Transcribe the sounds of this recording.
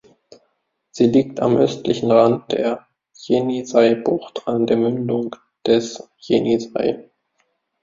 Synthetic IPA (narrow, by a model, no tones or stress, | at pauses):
z̥iːliːkta̰mʔœstlɪçn̩ʁant̚d̥eːɐ | jenizaɪbʊχtʰandeːɐmʏndʊŋ | d̥ɛsjeniza̰ɪ